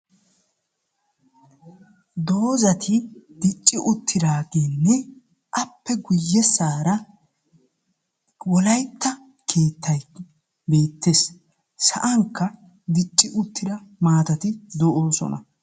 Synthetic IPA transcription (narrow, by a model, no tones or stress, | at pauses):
d̪o̞ːzɐt̪ʰɪd̪ɪt͡ʃʼːɪʔʊt̪ʰːɪd̪aːɡeːnːɛ | ʔɐpːɛɡʊjːɛsaːɾɐ | wɔlɐjt̪ːɐ | kʰe̞ːt̪ʰːɐj | be̞ːt̪ːes | sɐ̰ʔɐŋkːɐ | d̪ɪt͡ʃʼːɪʔʊt̪ːɪd̪ɐmaːt̪ɐt̪ɪd̪ɔʔoːsɔ̰nɐ̰